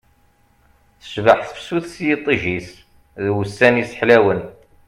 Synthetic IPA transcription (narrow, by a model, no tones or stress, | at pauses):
θə̥svəħθəfsuθsjit̪ˤːiʒis | ðwəsːænisħlæwən